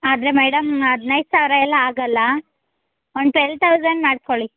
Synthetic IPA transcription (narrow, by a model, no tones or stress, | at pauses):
aːd̪ɐɾemɛːɽɐmɐd̪nɐjd̪saːʋɾɐɛlːɐaːɡɐlːɐ | oɳɖʈelʈ̪ʰɐwzɐnmaːɽskoɭi